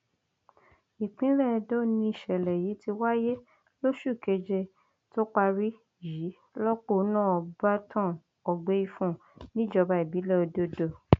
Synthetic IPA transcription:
i˨k͡pĩ˨˦lɛ˦˨˧do˦˨nĩ˧i˨ʃɛ˨lɛ˨ji˨˦ti˧wa˦je˦ | lo˦ʃu˦˨ke˧d͡ʒe˧ | to˦k͡pa˧ɾi˦ | ji˨˦ | lɔ˦k͡po˦˨˦nãː˦˨ba˦tʰã˦˨ | ɔ˨ɡ͡be˨˦i˧fũ˦˨ | nĩ˦d͡ʒɔ˧ba˧i˨bi˨˦lɛ˦o˧do˦do˨

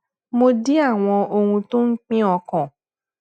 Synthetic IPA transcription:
mo˧di˦a˦˨w̃ɔ̃˧ʔo˧hũ˧to˦ŋ̩˦k͡pĩ˦ɔ˧kɔ̃˨

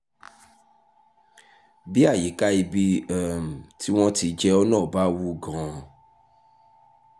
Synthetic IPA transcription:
bi˦a˦˨ji˨˦ka˦i˧bi˦ɛ˦m̩˨ti˦w̃ɔ̃˦ti˨˧˦d͡ʒɛ˦ɔ˦nãː˦˨ba˦wu˦ɡã˨

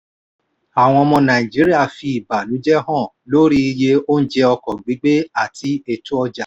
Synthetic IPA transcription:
a˨w̃ɔ̃˧ɔ˧mɔ̃˧nã˨ĩ˨d͡ʒi˨˦ɾi˦a˦˨fi˧i˨ba˨nũ˨˦d͡ʒɛ˦ɦɔ̃˦˨ | lo˦ɾi˦˧je˧o˦n̩˦d͡ʒɛ˧ɔ˧kɔ˨ɡ͡bi˨˦ɡ͡be˦a˦˨tʰi˧e˧tu˦ɔ˧d͡ʒa˨

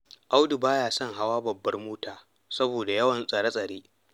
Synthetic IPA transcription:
ʔa˦wdu˨baː˦jaː˨sɐ˦ŋɦa˦waː˦bɐ˨bːɐ˦rmoː˦taː˨ | sɐ˦boː˨da˨jɐ˦wɐ˨nsʼɐ˨ɽɐ˦sʼɐ˨ɽeː˦

